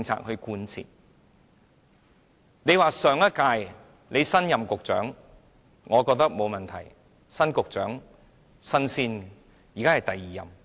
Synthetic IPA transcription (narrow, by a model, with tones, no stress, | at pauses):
ɪ˧ŋt͡sʰa̰ː˧k̚hɵ˧kuː˧nt͡sʰḭː˨t̚ | ne˨˧jwaː˨sœː˨˧ŋjɐ˥kaː˧j | le˨˧jsɐ˥njɐ˨˩mkʊ˨k̚t͡ʃœ̰ː˨˥ŋ | ŋɔː˨˧kɔː˧k̚t̪ɐ˥k̚mo˨˧wmɐ˨˩nt̪ʰɐ˨˩j | sɐ˥nkʊ˨k̚t͡ʃœ̰ː˨˥ŋ | sɐ˥nsiː˥n | jiː˨kaː˥hɐ˨jt̪ɐ˨jːiː˨jɐ̰˨m